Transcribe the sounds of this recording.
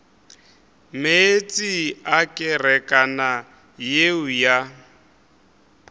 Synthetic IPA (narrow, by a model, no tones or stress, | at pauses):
met͡sʼiakʼɪrɛkʼana | jeʊja